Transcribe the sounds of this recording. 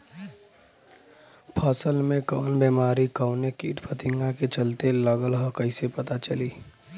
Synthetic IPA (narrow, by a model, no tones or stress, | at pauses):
pʰɔːsəlmẽkɔːnbeːmaːɾikɔʊnekiːʈpʰət̪ɪ̃ŋɡãket͡ʃɐlt̪eləɡəlɦokɐɪsepɐt̪at͡ʃɐliː